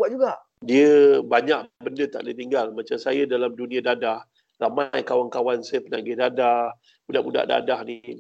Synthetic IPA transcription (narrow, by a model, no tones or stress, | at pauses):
buat̚d͡ʒuɡaʔ | diəbaɲaʔbəndət̪a̰ʔdit̪iŋɡalmat͡ʃamsajadalamdunĩãdadah | ramajkawankawansajəpənaɡɪhdadah | budaʔbuda̰ʔda̰dahni